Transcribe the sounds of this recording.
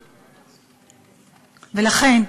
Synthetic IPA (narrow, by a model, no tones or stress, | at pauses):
velaχen